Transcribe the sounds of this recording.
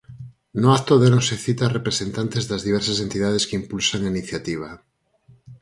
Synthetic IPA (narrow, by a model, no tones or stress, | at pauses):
noat̪oðenõseθit̪arepɾesent̪ant̪ezðazðiβ̞eɾsasent̪iðað̞eskimpulsaŋainiθjat̪iβ̞a